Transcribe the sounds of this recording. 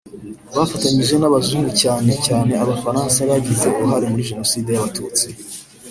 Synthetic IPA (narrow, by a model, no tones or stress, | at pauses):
βafataɲiʒe̞naβazuːɡucaːne̞caːne̞aβafaɾaːnsaβaɟize̞uuɦaɾemuɾiʒe̞no̞siːde̞jaβatuːt͡si